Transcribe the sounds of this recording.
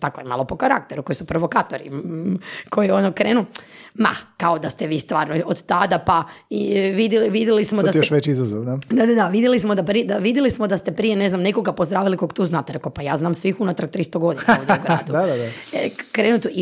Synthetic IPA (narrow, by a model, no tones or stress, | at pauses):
t̪akojema̰lopo̞kaɾa̰kt̪eɾukojisupɾoʋo̞kaːt̪o̞ɾḭ | kʰo̞jionokɾeːnuma̰kaod̪ast̪e̞ʋiːst̪ʋaːɾnoiʔod̪t̪ad̪apaiʋid̪jelʋid̪jelismod̪asjoʃʋet͡ʃizazoʋnad̪ad̪ad̪aʋid̪jelismod̪apɾied̪aʋid̪jelismod̪ast̪epɾijene̞znamneko̞ɡapo̞zd̪ɾaːʋilikokt̪uːznat̪ɾkopajaːznaːmsʋixunat̪ɾak̚t̪ɾist̪oɡo̞d̪inaoʋd̪ʲuɡɾaːd̪uad̪aakɾeːnut̪uʔi